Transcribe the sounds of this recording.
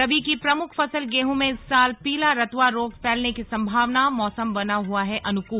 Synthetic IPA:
ɐʋikipɾɐmʊkʰfɐsəlɡeːɦõmẽɪsːaːlpiːlaɾɐt̪waɾoːɡpɛːlnekisɐ̃mbʱaːʋnamɔːsəmbɐnaɦuaɦɛʔɐnʊkuː

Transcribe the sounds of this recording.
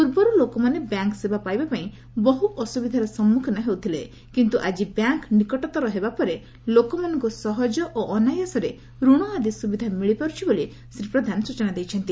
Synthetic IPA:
puɾbɔɾulokɔmanebjaŋksebapajbapaĩ | bɔɦuʔɔsubid̪ʱaɾɔsɔmːukʰɔnaɦewt̪ʰile | kint̪uʔad͡ʒibjaŋknikɔʈɔt̪ɔɾɔɦebapɔɾe | lokɔmanɔ̃ŋkusɔɦɔd͡ʒɔʔoʔɔnajasɔɾe | ɾuɽ̃ɔad̪isubid̪ʱamiɭipaɾut͡ʃʰiboli | sɾipɾɔd̪ʱanɔsut͡ʃɔnad̪ejt͡ʃʰɔnt̪i

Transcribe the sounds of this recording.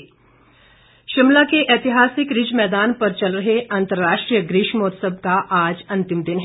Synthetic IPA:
ʃɪmlakeʔɛːt̪iɦaːsɪkɾɪd͡ʒmɛːd̪aːnpɐɾt͡ʃɐlɾɐɦeʔant̪əɾːaːʃʈɾijəɡɾɪʃmɔːt̪səb̚kaʔaːd͡ʒɐ̃nt̪ɪmd̪ɪnɦ

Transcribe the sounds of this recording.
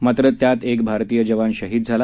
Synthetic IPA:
mat̪ɾət̪jat̪ek̚bʱaɾt̪iːjəd͡ʑəʋanɕəɦiːd̪̚d͡zʱala

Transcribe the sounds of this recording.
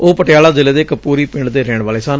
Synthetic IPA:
oːpəʈɪjaːlaːzɪleːd̪eːkəpːuːɾiːpɪɳɖd̪eːɾeːɳʋaːleːsaːn

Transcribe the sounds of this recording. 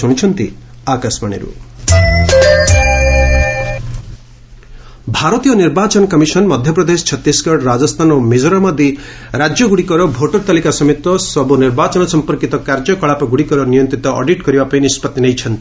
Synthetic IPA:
uɽ̃it͡ʃʰʌnt̪ḭ | akasmaɽ̃ḛɾṵ | bʱaɾɔt̪ijɔniɾbat͡ʃɔnkɔmisɔnmɔd̪ʱjɔpɾɔd̪est͡ʃʰɔt̪isɡɔɽɾad͡ʒɔst̪ʰanɔmed͡ʒɔɾamad̪iɾad͡ʒjɔɡuɽikɔɾɔbʱoʈɔɾt̪alikasɔmet̪ɔsɔbuniɾbat͡ʃɔnɔsɔmpɔɾkit̪ɔkaɾd͡ʒjɔkɔɭapɔɡuɽikɔɾɔnijɔnt̪ɾit̪ɔʔɔ̰ɖiʈɡɔɾibapaĩnispɔt̪ːinejt͡ʃʰʌnt̪i

